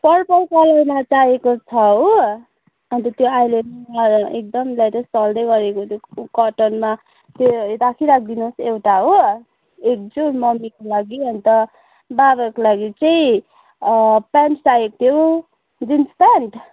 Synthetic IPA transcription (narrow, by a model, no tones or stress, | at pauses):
pʌrpʌlpalʌwnʌt͡saekot͡sʰʌɦo | ɦʌnt̪ʌt̪joajlemek̚d̪ʌmlajt̪ʌsʌld̪ʌjɡʌɾekot̪ʰjokʌʈʌnma | t̪jodakʰiɾak̚ʰd̪inoosewʈaɦo | ek̚d͡zomʌmikolaɡiʌnt̪ʌ | babakolaɡit͡sʌĩ | paɳʈsaekt̪ʰjo | d͡zinspanʈ